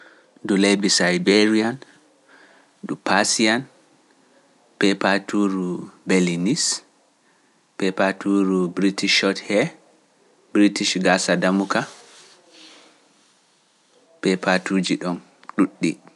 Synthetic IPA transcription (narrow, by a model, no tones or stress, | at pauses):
dulebisajbeɾian | ɗupasian | pɛpatuɾubelinis | pɛpatuɾubɾitiʃɔthɛ | bɾitiʃɡasadamuka | pɛpatud͡ʒiɗɔn | ɗuɗːḭ